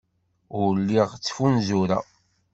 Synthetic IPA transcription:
ʊɾlːiʁt͡sːfunzuɾa̰

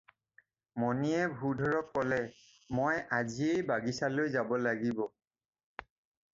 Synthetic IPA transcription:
mɔniɛbʱudʱɔɹɔkːɔlɛ | mojaziejbaɡisalojzabɔlaɡibɔ

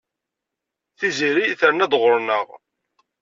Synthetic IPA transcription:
θiziɾiθəɾənæd̪ʁəɾnəʁ

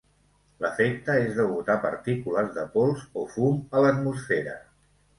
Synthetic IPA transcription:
ləfek̚t̪əezðəβut̪apəɾt̪ikuləzðəpolˠzofumələt̪musfeɾə

